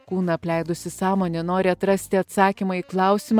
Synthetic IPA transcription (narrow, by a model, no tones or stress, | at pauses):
kuːnɐɐpʲlʲæɪd̪ʊsʲɪsɑːmoːnʲɛnoːɾʲɪɐt̪ɾɐsʲt̪ʲɪɐt̪sɑːkʲimɑiːklˠɑˑʊsʲɪm